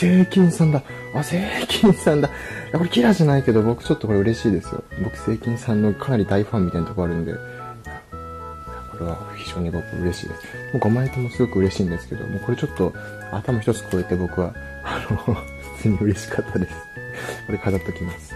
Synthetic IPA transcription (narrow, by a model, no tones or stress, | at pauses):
se̞ːkʲĩɰ̃sãnd̪a | ase̞ːkʲʰĩɰ̃sãnd̪a | ako̞ɾe̞kʲiɾaʑanaike̞d̪o̞bo̞kɯ̟̥t͡ɕo̞t̪ːo̞ko̞ɾɯ̟ɾe̞ɕiːd̪e̞sɨjo̰bo̞kɯ̟̥se̞ːkʲĩɰ̃sãnːo̞kʰanaɾʲid̪aiɸãmʲːit̪aint̪okoaɾɯ̟no̞d̪e̞̰ | ako̞ɾe̞βa̰çʲi̥ʑoːɲ̟ibo̞kɯ̰ɯ̟ɾe̞ɕḭːd̪e̞sɨ̥ | moːɡo̞maet̪emo̞sɨɡo̞kɯ̟ɯ̟ɾe̞ɕĩːnd̪e̞sɨ̥ke̞d̪o̰moko̞ɾe̞t͡ɕo̞t̪ːo̞ | a̰t̪amoçi̥t̪o̞t͡sɨ̥kʰo̞ːet̪ːe̞bo̞kɯ̟βa | ano | z̥e̥t͡sɨɲ̟iɯ̟ɾe̞ɕi̥kʰat̪ʰːad̪e̞sɨ̥ko̞ɾe̞kʰazat̪ːo̞kʲimasɨ̥